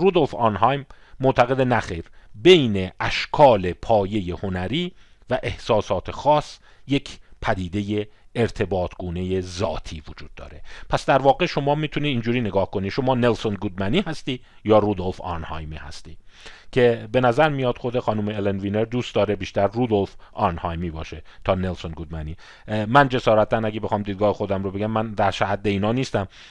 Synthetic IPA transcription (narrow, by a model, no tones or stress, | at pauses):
ɾud̪o̞lfɑːnɦɑjmː | ot̪ʰæɣe̞d̪enæxejɾbe̞jne̞ʔæʃkʰɒːle̞pʰɒːje̞je̞ho̞næɾiː | væʔe̞hsɒːsɒːt̪ʰe̞xɒːsje̞cʰpʰæd̪iːd̪e̞je̞ːɾt̪ʰe̞bɒːt̪ʰɡuːne̞je̞zɒ̰ːt̪ʰiːvod͡ʒuːd̪̚ːɒ̰ːɾe̞pʰæsd̪æɾvɒːɡe̞ʃo̞mɒːmiːt̪ʰuniiːnd͡ʒuːɾiːne̞ɡɒːhko̞niʃo̞mɒːne̞lso̞nɡud̪mæniːhæst̪iː | jɒːɾud̪olfɒ̰ɾnhɒ̰ːjmiːhæ̰st̪iːcʰe̞be̞næzæɾmijɒːt̪xod̪exɒːnuːmeːlenviːneɾd̪uːst̪d̪ɒːɾebiːʃt̪æɾrud̪o̞lfɒɾnhɒːjmiːbɒ̰ːʃet̪ʰɒːne̞lso̞nɡud̪mæniː | mænd͡ʒe̞sɒːɾæt̪̚ʰːænæɡe̞be̞xɒːmd̪id̪ɡɒːhe̞xo̞d̪æmɾobeɟæmːænd̪æɾʃæhæd̪ːe̞iːnɒːniːst̪æm